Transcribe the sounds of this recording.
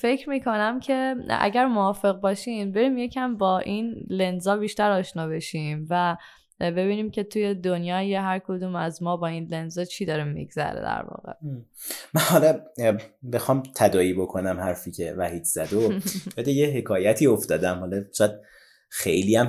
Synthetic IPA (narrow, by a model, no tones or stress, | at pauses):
fe̞cʰɾmiːkʰo̞næmcʰe̞æ̰ɟæɾmoɒːfe̞ɣbɒːʃiːmbe̞ɾiːmje̞cʰæmbɒːʔinle̞nzɒːbiːʃt̪æɾɒːʃnɒːbe̞ʃimvæ | be̞βiːniːmcʰe̞t̪ʰuje̞d̪onjɒːjeɦæɾkʰod̪uːmæzmɒːbɒːinlenzɒt͡ʃʰiːd̪ɒːɾimːḭɡzæ̰ɾḛd̪æ̰ɾvɒ̰ːɣḛ | mænhɒlɒ | bexɒːmt̪ʰæd̪ɒːiːbo̞kʰo̞næmhæɾfiːcʰḛvæhiːd̪z̥æd̪obæd̪ejeɦekʰɒːjæt̪ʰiːoft̪ɒːd̪æmhɒlɒt͡ʃeæd̪̥̚ | xḛjliːæm